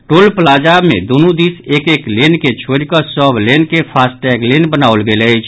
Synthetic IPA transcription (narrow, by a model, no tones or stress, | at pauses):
ʈolpəlad͡ʒabmḛ̃d̪onud̪isekeklenket͡ʃʰoɾikəsəblenkepʰasʈɛɡlenbənaolɡeləjt͡ʃʰ